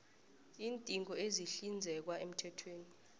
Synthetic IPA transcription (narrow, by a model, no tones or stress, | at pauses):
iːntʼiŋɡɔeziɬind͡zʱɛk̬waʔem̩tʰɛtʰweːni